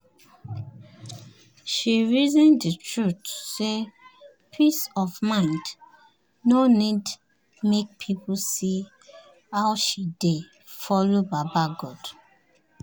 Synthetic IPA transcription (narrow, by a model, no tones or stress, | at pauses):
ʃiɹizɛ̃nditɹutse | pʰisɔvmãɪ̃nd | nonid | mek̚pʰipʰusi | awʃide | fɔlobabaɡɔd